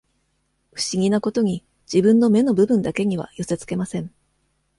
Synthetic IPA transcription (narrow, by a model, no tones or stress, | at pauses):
ɸɯ̟̥ɕiɡʲinako̞t̪o̞ɲ̟i | d͡ʑibɯ̟̃nːo̞me̞no̞bɯ̟bɯ̟̃nd̪ake̞ɲ̟iβ̞a̰jo̞se̞t͡sɨ̥ke̞masẽ̞ɴ